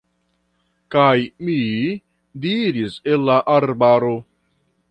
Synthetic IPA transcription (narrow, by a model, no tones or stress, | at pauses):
kajmi | diɾiselːaʔaɾbaɾo̞